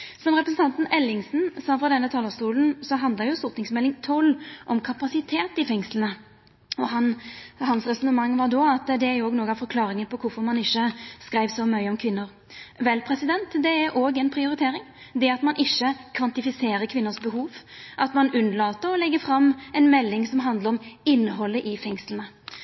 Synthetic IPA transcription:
sɔmʁɛpɾɛsn̩t̪ɑnt̪n̩ɛlːɪŋsn̩sɑfʁɑd̪ɛnːət̪ʰɑːlɑst̪uːln̩sɔɦɑnd̪ləɾjʊst̪ʊʁt̪nɪŋsmɛlːɪŋt̪ʰɔlːʔɔmkʰɑpɑsɪt̪ʰeːt̪ɪfɛŋslən̩ə | ɔɦɑnhɑnsʁɛsɔnəmɑŋːʋɑɾd̪ɔɑt̪d̪ɛæɾjɔːɡnoːɡəɑʋfɔɾkʰlɑːɾɪŋənpʰɔkʰʊfɔɾmɑnɪçːəskɾæɪʋsɔmœʏəɔmkʰʋɪnːəɾ | ʋɛlpʰɾɛsɪd̪ɛnt̪d̪ɛæɾʔoːɡɛnpʰɾɪʊɾɪt̪ʰeːɾɪŋd̪ɛɑt̪mɑnʔɪʃːəkʰʋɑnt̪ɪfɪseːɾəɾkʰʋɪnːəsbəɦuːʋʔɑt̪mɑnʉnːəlɑːt̪əɾɔlɛɡːəfɾɑmːɛnmɛlːɪŋsɔmɦɑnd̪ləɾɔmɪnːəɦɔlːəʔɪfɛŋslənə

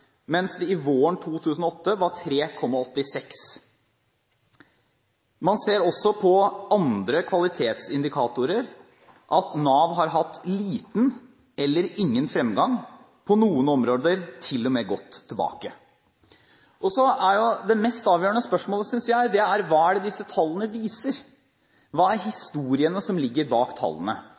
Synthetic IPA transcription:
mɛnsd̪ɛɪʋoːəɳt̪ʰuːt̪ʰʉːsənɔɔt̪ːəʋɑʈʰɾeːkʰɔmːɑɔt̪ːɪsɛks | mɑnseːɾɔsːɔpʰɔɑnd̪ɾəkʰʋɑlɪt̪ʰeːt̪sɪnd̪ɪkʰɑːt̪ʊɾəɾ | ʔɑt̪nɑːʋɦɑɾɦɑt̪ːliːt̪n̩ | ɛlːəɾɪŋːənfɾɛmɡɑŋ | pʰɔnuːənɔmɾoːd̪əɾt̪ʰɪlːɔmɛɡɔt̪ʰːɪlbɑ̰ːkə | ʔɔsɔæɾjʊd̪ɛmɛst̪ɑːʋjøːəɳəspœʂmoːləsʏnsjæɪd̪ɛæɾʋɑːæɖɛd̪ɪsːət̪ʰɑlːənəʋiːsəɾ | ʋɑːæɾɦɪst̪uːɾɪənəsɔmlɪɡːəɾbɑːkt̪ʰɑ̰lːənə

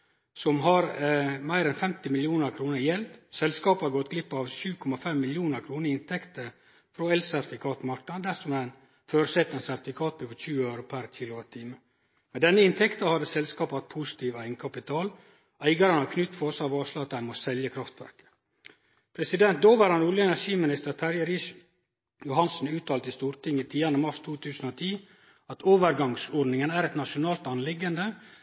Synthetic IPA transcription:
sɔmɦɑɾmæɪɾɛnfɛmt̪ɪmɪljuːnəɾkʰɾuːnəɾjɛlt̪sɛlskɑːpɑɾɡɔt̪ɡlɪpːɑʋʃʉːkʰɔmɑfɛmːɪljuːnəɾkʰɾuːnəɾɪnt̪ʰɛkt̪əɾ | fɾoːɛlsæt̪ɪfɪkʰɑːt̪mɑɾknɑnd̪æsɔmæɪn | føːɾsɛt̪ɛnsæɾt̪ɪfɪkʰɑːt̪̚byɡɔçʉːəøʉɾʊpʰæɾt̪ʰɪloːɾt̪ʰiːmə | mɛnd̪ɛnːəɪnt̪ʰɛkt̪ɑhɑd̪ːəsɛlskɑːpɑt̪̚pʰusɪ̥t̪ʰiːʋæɪŋkʰɑpɪt̪ʰɑːl | æɪɡɑɾənɑkʰnʏt̪ːfʰɔɔsɑʋɑːʂlɑɑt̪æɪnmɔsɛljəkʰɾɑft̪ʋæ̰ɾkə̥ | pʰɾɛsɪd̪ɛnt̪̚d̪oːʋɑɾhɑnʊljəɛnæʂiːmɪnɪst̪əɾt̪ʰɑɾjəɾɪʃ | jʊhɑnsn̩ʉːt̪ʰɑːlt̪əɪst̪uːɾt̪ɪŋːət̪ʰiːɑnəmɑɾʂt̪ʰuːt̪ʰʉːsən̩oːt̪ʰiː | ɑt̪oːʋəɾɡɑŋsɔɖnɪŋənæːɾɛt̪nɑʂʊnɑːlt̪ɑnlɪɡːənd̪ə

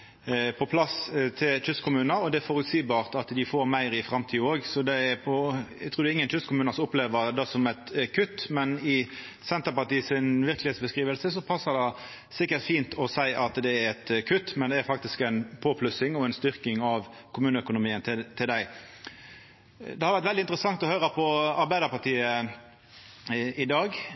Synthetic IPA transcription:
pʰɔpʰlɑst̪ʰɪlt̪ʰʏskʰʊmʉːnɑɔd̪ɛæɾfɔɾʉt̪siːbɑːʁt̪ɑt̪d̪ɪfoːɾmæɪɾɪfɾɑmt̪ʰiːoːɡsɔd̪ɛɾpʰɔæt̪ʰɾuːd̪ɛɪŋːənt̪ʰʏskʊmʉːnɑsʊpleːʋəɾd̪ɛsɔmɛt̪kʰʉt̪ːmɛnɪ | sɛnt̪əpɑt̪iːsɪnʋɪɾklɪhetsbəskʁiːʋəlsəsɔpʰɑsːəʁd̪ɛ | sɪkːəɾt̪fiːnt̪ʰɔsæɪʔɑt̪d̪ɛæɾɛt̪kʰʉt̪ːmɛnd̪ɛæɾfɑk̚t̪ɪskæɪnpʰoːpʰlʉsɪŋɔɛɪnst̪ʏɾkɪŋɑʋ | kʰʊmʉːnəœkʊnʊmiːənt̪ʰɪt̪ʰɪld̪æɪ | d̪ɛhɑɾʋæɾt̪ʋɛld̪ɪnt̪ɾəsɑŋt̪ɔhøːɾəpʰɔɑɾbæɪd̪əpɑt̪iːə | ɪd̪ɑːɡ

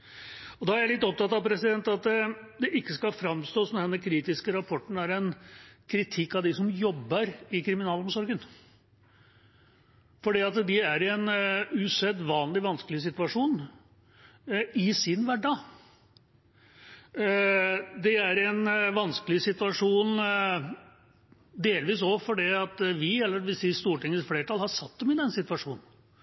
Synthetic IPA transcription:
ɔd̪ɑæɾjæɪlɪt̪ːɔp̚t̪ɑt̪ːɑʋpʰɾɛsɪd̪ɛnt̪ɑt̪ɛd̪ɛʔɪkːəskɑfɾɑmst̪oːsnɔd̪ɛnːəkʰɾiːt̪ɪskəɾɑpʰɔʈːnɳ̩æɾɛnkʰɾɪt̪ʰɪkːɑd̪ɪsɔmjɔbːəɾɪkʰɾɪmɪnɑːlɔmsɔɾɡən | fɔɖiːɑt̪d̪ɪæɾɪɛnʉsɛd̪ʋɑːnlɪʋɑnskəlɪs̬ɪt̪ʉɑʂuːn | ɪsɪnʋæɖɑ | d̪ɛæɾɪɛnʋɑnskəlɪsɪt̪ʉʋɑʂuːn | d̪eːlʋiːsɔfɔɖiːɑt̪ʋɪɛlːəɖʋɪsɛːst̪uːʈɪŋːəsfleːʈʰɑlhɑɾsɑt̪̚ːd̪ɛmɪd̪ɛnːsɪt̪ʋɑʂuːnən̩

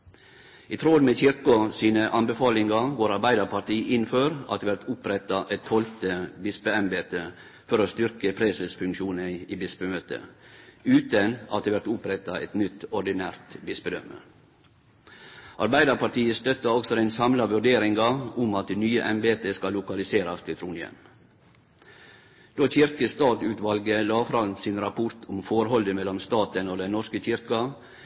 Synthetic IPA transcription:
ɪt̪ʰɾoːd̪meːçɪɾkʊsiːnəʔɑnbəfɑːlɪŋɑɡoːɾɑɾbæɪd̪əɾpʰɑt̪iːʔɪnføːɾɑ̰t̪d̪ʋæɾt̪ʊpɾɛt̪ɑʔɛt̪ʰhɔlt̪əbɪspəɛmbeːt̪ə | fɔɾoːst̪ʏɾkəpʰɾɛsəsfʉŋkʃuːnəiːbɪspəmøːt̪ə̰ʉːt̪ənɑ̰t̪d̪eːʋæɾt̪ʊpɾɛt̪ɑʔɛ̰t̪nʏt̪ɔɖɪnæːɾt̪bɪsbəd̪œmə̰ɾ | ʔɑɾbæɪd̪əɾpɑt̪iːəst̪œt̪ːɑɔksɔd̪ɛnsɑmlɑʋʉɖeːɾɪŋɡɑʊmɑt̪̚d̪nyːəʔɛmbeːt̪əskɑlːʊkɑlɪseːɾɑst̪ʰɪlt̪ɾuːnjɛ̰m | d̪̥oːçɪɾkəst̪ɑːt̪ʉːt̪ʋɑlɡəlɑːfɾɑnsɪːnɾɑpʰʊɾt̪ʰʊmfɔɾhɔld̪əmɛlːɔmst̪ɑːt̪ənoːd̪ɛnɔɾskəçɪɾkɑ

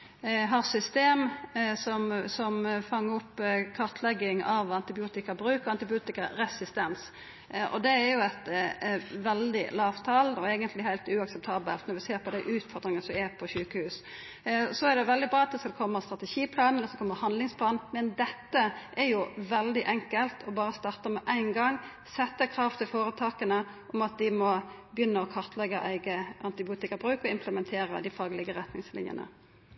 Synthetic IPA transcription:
ɦɑɾsʏst̪eːmsɔmsɔmfɑŋːəɾʊpːkʰɑɾt̪ʰlɛɡːɪŋɑʋɑnt̪ɪbɪuːt̪ɪkəbɾʉːkəɾɑnt̪ɪbɪuːt̪ɪkəɾɛsɪst̪ɛns | ʔɔ̰d̪ɛːɾjʊɛt̪ | ʋɛld̪ɪ̰lɑːʋt̪ʰɑlɔɛːɡənt̪ʰlɪhæɪlt̪ʉɑksɛp̚t̪ʰɑːbə̰lt̪nɔɾʋɪseːɾpʰɔd̪æɪʔʉːt̪fɔɾd̪ɾɪŋənsɔɛɾpʰɔɕʉːkəhʉːs | sɔæʁd̪ɛʋɛld̪ɪbɾɑːɑt̪ːsd̪ɛkʰɔmːəst̪ɾɑt̪ɛʃiːpʰlɑːnənɔsɛkʰɔmːəhɑnd̪lɪŋspʰlɑːnmɛnd̪ɛt̪ːəʔɛɾjʊʋɛld̪ɪʔɛŋkəlt̪ʰɔbɑːɾəst̪ɑːʁt̪əmɛʔæɪnɡɑŋ | sɛt̪ːəkʰɾɑːft̪ʰɪlfoːɾət̪ʰɑːkənə | ʔɔmɑt̪̚d̪ɪmɔ | bəjʏnːəɔkʰɑʁt̪lɛɡːəʔæɪɡəʔɑnt̪ɪbɪuːt̪ɪkɑbɾʉːkɔɪmpʰləmɛnt̪ʰeːɾə̰d̪ɪfɑːɡlɪɡəɾɛt̪nɪ̰ŋslɪ̰njə̰nə̰

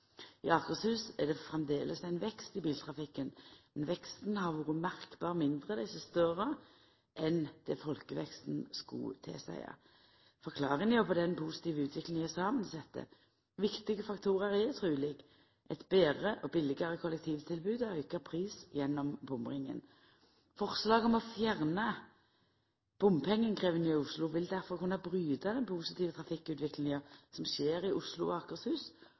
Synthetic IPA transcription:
ɪɑkəshʉːsɛʁd̪ɛfʁɛmd̪eːlʔəsæɪnʋɛkst̪ɪbiːlt̪ʰʁɑfɪkːənmɛnʋɛkst̪n̩hɑʁʋʊʁəmæʁkbɑːʁmɪnd̪ʁəd̪ɛsəst̪œʁə | ʔɛnd̪̥ɛːfɔlkəʋɛkst̪n̩skɑ̰t̪ʰɛ̰sæ̰ɪɑ̰ | fɔʁkʰlɑːʁɪŋəjɑpʰɔd̪ɛnpʰusɪ̥t̪iːʋəʉːt̪ʰʋɪklɪŋɪɛsɑːmənsɛt̪ʰːə̰ | ʋɪkt̪ɪɡəfɑkt̪ʰuːʁəɾɛt̪ʰʁʉːlɪɡ | ʔɛt̪beːʁəʔɔbɪlɪɡɑʁəkʰɔlːɛkt̪ʰiːʋt̪ʰɪlbʉːd̪œʏkɑpʰʁiːsjɛnːɔmbʊmʁɪŋːə̰n | fɔʁslɑːɡɔmɔfjæʁnɑ | b̥ʊmpʰɛŋːənkʰʁeːʋənyːʊslʊʋɪld̪æʁfɔʁkʉnːɑbʁyːd̪ɑd̪ɛnpʰusɪt̪iːʋət̪ʰʁɑfɪkːʉːt̪ʋɪklɪŋɑsɔmʃeːɾɪʔʊslʊ̰ɑkəʁshʉːs

